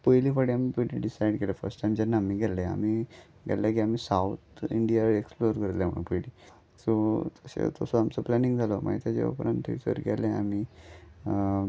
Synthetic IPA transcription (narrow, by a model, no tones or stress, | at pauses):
pəjliːfaɽiamipəjliɖisajɽkelefə̰ɾsʈajmt͡ɕanːaːmiːɡʱɛllea̰m̤iː | ɡʱɛ̰llak̬iamiːsaut̪ʰiɳɖijaɾeksploɾkəɾt̪lam̤əɳ̰̃pəjliː | sot̪əɕḛt̪osoamt͡səplæniŋɡd͡zʱaloma̰it̪jad͡ʑḛʋa̰pəɾant̪ʰḛt͡sə̰ɾɡɛ̰leamiː